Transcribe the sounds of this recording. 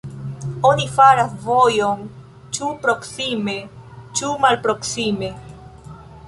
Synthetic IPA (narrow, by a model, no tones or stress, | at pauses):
onifaɾasvojon | t͡ʃupɾo̞ksime̞t͡ʃumalpɾo̞ksime̞